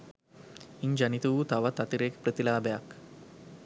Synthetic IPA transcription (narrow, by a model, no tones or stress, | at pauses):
iɲd͡ʒɐnit̪uʋut̪aʋɐt̪ɐt̪iɾeːkpɾət̪ilaːbejak